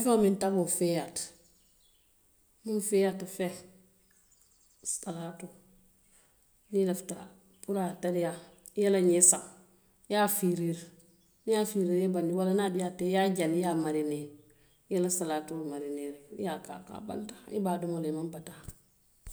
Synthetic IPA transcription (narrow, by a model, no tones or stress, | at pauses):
ifeomintaɡufejat | mumfejatafe | salatu | nilafta | puɾatadija | jalaɲesa | jafiɾiɾ | nijafiɾiːɾebandiwalanadijatːejaɟanijamaɾine | jalasalaːtumaɾineɾjaka̰ka̰ba̰ntaibaːdumolemambata